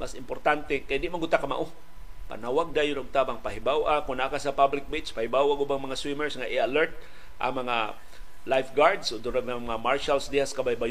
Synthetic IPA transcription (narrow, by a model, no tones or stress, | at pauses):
masɪmpoɾt̪ant̪ɛkajd̪ɪʔmaɡʊt̪akama̰ʔo | pa̰nawaɡ̚d̪ajʊnʊɡ̚t̪abaŋpaɦɪbawʔakʊnaʔkasapablɪk̚bɪt͡ʃpahɪbawaɡʊbaŋmɐŋaswimɛɹsŋaʔɪalɛɹt̪̚ | ʔɐ̰ŋmɐŋa | lajfɡaɹd̪sod̪ʊɾabaŋmŋamaɹʃalsd̪ɪhaskabajbaj